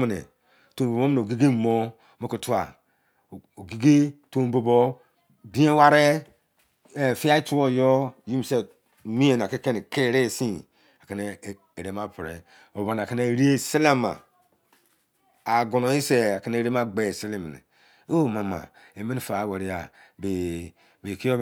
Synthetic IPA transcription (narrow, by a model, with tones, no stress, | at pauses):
me˨nḛ˨ | to˨bo˨bo˦me˦n˨o˨ɡi˦ɡi˦˨mo˦ | mo˦ko˨tu˦a˨ | o˨ɡi˦ɡe˦to˦m˦bo˨bo˦ | dĩ˦e˦wa˦ɾe˦ | e˨fi˦a˦i˦tu˦o˦˨jo˦ji˦m˨se˨ | mi˦e˨na˨ke˦ke˦n˨ke˦˨ɾe˦˨si˦ | a˨ke˨ne˦˨ | e˨ɾe˨˦ma˦˨pɾḛ˨ | o˨ba˨na˨ke˦ne˦˨ɾi˦e˦se˦le˦ma̰˨ | a˨ɡo˨no˨i˦se˨a˨ke˦ne˦˨ɾe˦ma˦ɡ͡be˨se˦le˦mḛ˨nḛ˨ | o˦˨ma˨ma̰˨ | e˨me˦ni˦˨fa˨we˨ɾi˦a˨ | be˨ | be˨ki˦o˦